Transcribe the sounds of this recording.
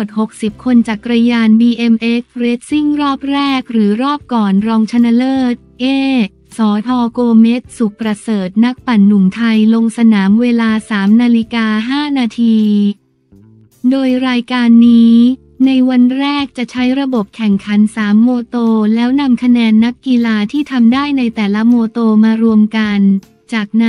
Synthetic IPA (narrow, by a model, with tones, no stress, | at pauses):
t̪̚ho˨˩k̚si˨˩p̚kʰo˧nt͡ɕa˨˩kɾa˧jaː˧nbiː˧ʔe˧mʔe˦˥k̚ɾeː˦˥t̪̚si˥˩ŋɾɔː˥˩p̚ɾɛː˥˩k̚ɾɯː˩˦ɾɔː˥˩p̚kɔː˨˩nɾɔː˧ŋt͡ɕʰa˧na˧lɤː˥˩t̪̚ʔeː˥˩ | sɔː˩˦t̪ʰɔː˧koː˧me˦˥t̪̚su˨˩k̚pɾa˧sɤː˨˩t̪̚na˦˥k̚pa˨˩nːu˨˩mt̪ʰa˧jlo˧ŋsa˧naː˩˦mweː˧laː˧saː˩˦mnaː˧li˦˥kaː˧ɦaː˥˩naː˧t̪ʰiː˧ | doː˧jɾaː˧jkaː˧nːiː˦˥ | na˧jwa˧nɾɛː˥˩k̚t͡ɕa˨˩t͡ɕʰa˦˥jɾa˧bo˨˩p̚kʰɛ˨˩ŋkʰa˩˦nsaː˩˦mːoː˧t̪oː˧lɛː˦˥wna˧mkʰa˧nɛː˧nːa˦˥kːi˧laː˧t̪ʰiː˥˩t̪ʰa˧mdaː˥˩jna˧jt̪ɛː˨˩la˦˥moː˧t̪oː˧maː˧ɾu˧əmka˧n | t͡ɕaː˨˩k̚n